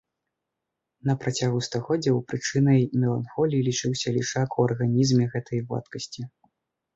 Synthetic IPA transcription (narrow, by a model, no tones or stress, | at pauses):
nɐpɾat͡sʲaɣust̪aɣɔd͡zʲɛwpɾɨt͡ʂɨnɐjmʲɛlˠanxɔlʲiilʲit͡ʂɨwsʲɐlʲiʂakuɐrɣanʲizmʲɛɣɛt̪ʰɐjva̰t̪kɐsʲt͡sʲi